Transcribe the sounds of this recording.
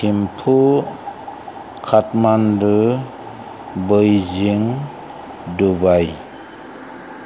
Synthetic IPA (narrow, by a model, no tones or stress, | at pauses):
kʰimpʰu | kʰatmandɯ | bɯjziŋ | dubaj